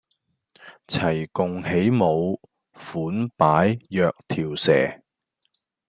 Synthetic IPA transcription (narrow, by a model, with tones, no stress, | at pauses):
t͡sʰɐ˨˩jkʊ˨ŋhe˨˥jmo˨˧w | fuː˨˥npaː˨˥jjœː˧k̚t̪ʰiː˨˩wsɛ̰ː˨˩